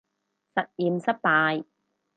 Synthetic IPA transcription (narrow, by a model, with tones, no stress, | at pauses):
sɐ˨t̚jiː˨msɐ˥t̚paː˧j